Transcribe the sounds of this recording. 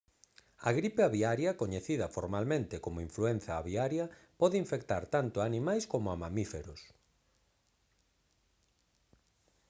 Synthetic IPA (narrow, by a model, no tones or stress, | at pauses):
ɐ̰ɣɾipeaβiaɾjɐkoɲeθiðɐfoɾmalmẽnt̪ɪkomoiɱfluen̟θaːβiaɾjɐpɔðɪiɱfekt̪aɾt̪ant̪ʊaːnĩmajskomʊamamifeɾos